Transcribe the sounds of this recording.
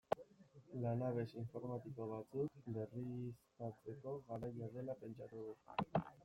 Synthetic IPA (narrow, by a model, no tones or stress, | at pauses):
lanaβ̞e̞siɱfo̞ɾmat̪iko̞β̞at͡sukbe̞rist̪at͡se̞ko̞ɣaɾajaðe̞lape̞nt͡ʃat̪uðu